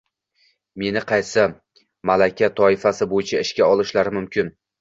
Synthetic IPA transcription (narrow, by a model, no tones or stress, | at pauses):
me̞nɪqʰɑjsɪ | malakʲat̪ʰɒɪfasɪbojɪt͡ʃʰaɪʃkʲaɒlˠɪʃlaɾɪmʊmkʲɪn